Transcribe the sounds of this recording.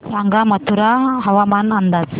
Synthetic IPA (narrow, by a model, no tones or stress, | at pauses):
aŋɡamat̪uɾaɦawamanand̪ad͡ʒ